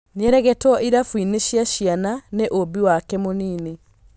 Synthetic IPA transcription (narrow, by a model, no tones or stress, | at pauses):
neɛɾɛɣɛtwɔʔiɾafwineɕjaɕiananeʔobiwakɛmoniːne